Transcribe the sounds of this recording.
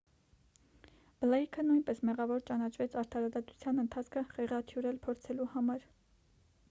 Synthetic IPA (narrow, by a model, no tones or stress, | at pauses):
b̥əlɑikʰənujnpɛsmɛʁɑvɔɾt͡ʃɑnɑt͡ʃʰvɛt͡sʰɑɾt̪ʰɑɾɑd̪ɑt̪u̥t͡sʰjɑnənt̪ʰɑt͡sʰkʰəχɛʁɑt̪ʰjuɾɛlpʰɔɾt͡sʰɛluhɑmɑɾ